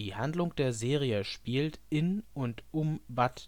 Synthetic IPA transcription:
iːhandlʊŋd̥eːɐzeːʁ̞iəʃpiːltɪnʊntʊmvat

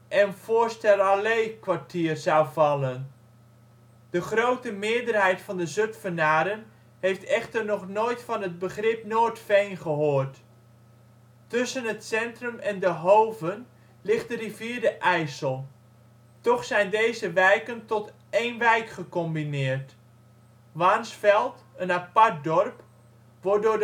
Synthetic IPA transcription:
ʔɛnv̥oːɹstɛlˠalejkʋaɹtʰiːərz̥awvɑlən | d̥əχrowtəmɪədərɦɛjtfɑndəzøtfənaːɾən | hejftɛχtərnɔχnoːjtfɑnɦəd̚bəχrɪpnoːtfejnχəɦoːrt | tʏsənətsɛntrəmɛndəɦowvən | lɪχt̚dəriviːɹdəʔɛjsəlˠ | tɔχsɛjndejzəʋɛjkəntɔt | eːnʋɛjkχəkɔmbinɪːrt | ʋaːnsfɛlˠt | ənapart̚dɔrp | ʋɔdʊːd

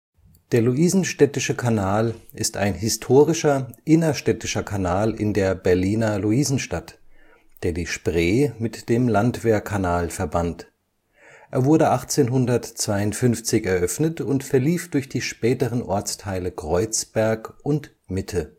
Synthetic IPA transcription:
d̥eːɐluʔiːzn̩ʃtɛtɪʃəkʰanaːlʔɪsta̰ɪnɦɪstʰoːʁɪʃɐʔɪnɐʃtɛtɪʃɐkʰanaːlɪ̰ndeːɐbɛɐliːnɐluiːzn̩ʃtat | d̥eːɐdiːʃpʁeːmɪtd̥eːmlantv̥eːɐkʰanaːlfɛɐbant | ʔeːɐvʊɐɾəʔaχt͡seːnɦʊndɐtt͡sv̥aɪʊntfʏnft͡sɪçɛɐʔœfnətʊntfɛɐliːfd̥ʊɐçd̥iːʃpɛːtəʁənʔɔɐt͡stʰaɪləkʁ̥ɔʏt͡sb̥ɛɐkʔʊnt | mɪtʰə

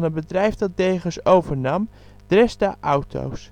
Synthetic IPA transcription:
nənbədrɛjfdɑt̚dejχəsowvəɹnɑm | d̥rɛsda̰ʔawtʰo̰ws

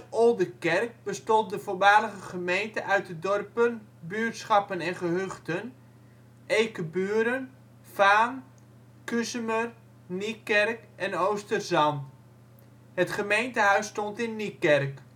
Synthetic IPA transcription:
olˠdəkɛrk̚bəstɔnt̚dəfoʋaːləɣəχəmejntəʔœɥt̚dədɔrpənbyːtsχɑpənɛnχəɦøχtən | ejkəbyːəɾən | faːn | kysəmər | nikɛrkɛnowstərzɑn | hətχəmejntəɦœɥstɔntɪnːikɛrk

